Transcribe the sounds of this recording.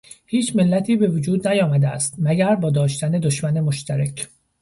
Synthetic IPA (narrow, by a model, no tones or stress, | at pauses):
hiːt͡ʃʰmelːæt̪ʰiːbe̞vod͡ʒuːd̪næjɒːmæd̪eæst̪mæɟæɾbɒːd̪ɒːʃt̪æned̪oʃmæne̞moʃt̪ʰæɾecʰ